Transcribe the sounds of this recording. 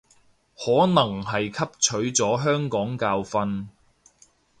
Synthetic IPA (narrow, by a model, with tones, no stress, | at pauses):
hɔː˨˥nɐ˨˩ŋɦɐ˨jkʰɐ˥p̚t͡ʃʰɵ˨˥ɥt͡sɔː˨˥ɦœː˥ŋkɔː˨˥ŋkaː˧wfɐ˧n